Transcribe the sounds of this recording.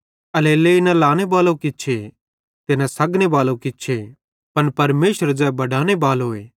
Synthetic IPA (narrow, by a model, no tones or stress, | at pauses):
ɐleːleɪnãlaːɽ̃ebaːlokɪt͡ʃʰe | t̪ɪnãsɐɡñebaːlokɪʃʰe | pɐnpɐɾmeːʃəɾd͡ʒɛːbɐɽaːɽ̃ebaːlɦoːeː